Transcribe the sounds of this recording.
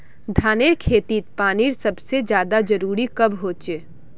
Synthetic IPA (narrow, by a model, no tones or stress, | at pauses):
d̪ʱaːneɾkʰeːt̪iːt̪̚paːniːɾsɐbsed͡ʒjaːd̪ad͡ʒɐɾuːɾikɐbɦoːt͡ʃeː